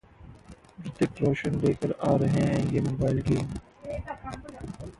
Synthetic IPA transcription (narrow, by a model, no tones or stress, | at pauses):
ɾɪt̪ɪkɾoːʃənleːkəɾaːɾɦɛ̃ːjeːmoːbaːɪlɡeːm